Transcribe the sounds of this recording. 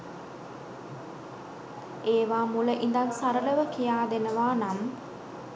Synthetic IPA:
eːʋaːmuləʔind̪ansaɾələʋəkijaːd̪enəʋaːnam

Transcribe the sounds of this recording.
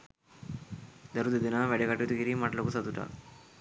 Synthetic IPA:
d̪ɐɾud̪ud̪inaʋeɽekɐʈːut̪uɡiɾimɐʈlokusɐt̪uʈa̰

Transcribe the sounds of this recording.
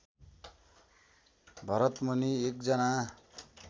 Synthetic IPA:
bʱʌɾʌt̪mʌniek̚d͡zʌna

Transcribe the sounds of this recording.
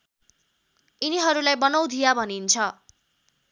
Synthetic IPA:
iniɦʌɾulajbʌnʌw̃d̪ʱijabʱʌnint͡sʰʌ

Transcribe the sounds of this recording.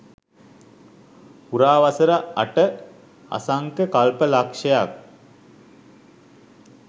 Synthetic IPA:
puɾaːʋasəɾaaʈə | a̰saŋkəkalpəlakʂejak̚

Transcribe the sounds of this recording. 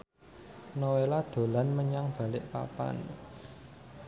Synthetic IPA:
nowelad̪̥o̤lanməɲaŋb̥ä̤lɪʔpa̰pa̰n

